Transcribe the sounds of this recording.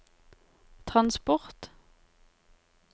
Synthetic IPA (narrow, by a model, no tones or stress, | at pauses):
t̪ʰʁɑnspɔʁt̪